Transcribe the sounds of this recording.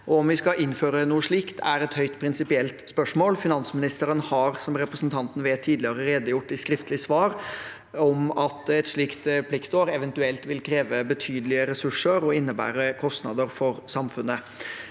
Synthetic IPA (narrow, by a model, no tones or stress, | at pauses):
ʔɔɔmʋɪskɑʔɪnføːɾənuːəʂɭiːkt̪ʰæɾɛt̪hœʏt̪pʰɾɪnsɪpɪɛlt̪spœʂmoːlfɪnɑnsmɪnɪst̪əɾənhɑɾsɔmɾɛpɾəsnt̪ʰɑnt̪n̩ʋeːt̪ʰːiːd̪lɪəɾəɾeːd̪əjʊʈːɪskɾɪft̪əlɪsʋɑːɾ | ɔmɑt̪ɛt̪ʂɭiːkt̪pʰlɪkt̪oːɾɛʋɛnt̪ʉɛlt̪ʋɪlkʰɾeːʋəbət̪ʰyːd̪əlɪəɾɛsʉʂəɾɔɪnːəbæ̰ːɾəkʰɔst̪nɑ̰d̪əɾfɔɾsɑmfʉnːə